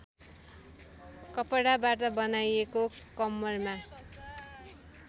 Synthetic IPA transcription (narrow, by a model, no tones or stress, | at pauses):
kʌpʌɽabart̪ʌbʌnajekokʌmːʌrma